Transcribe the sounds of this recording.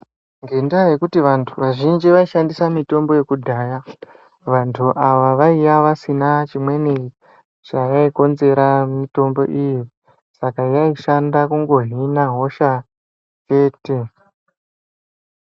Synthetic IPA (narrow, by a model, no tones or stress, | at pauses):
ŋɡe̞ndaje̞kutiʋantʰuʋaʒind͡ʒiʋaiʃandisamito̞mbo̞je̞kudʱaːja | ʋantʰuʔaʋaʋaijaʋasinat͡ʃimwe̞ne | t͡ʃajaiko̞nze̞ɾamito̞mbo̞̰ʔiji | sakajaiʃandakuŋɡo̞ɦinaɦo̞ʃa | t͡ʃe̞ːte̞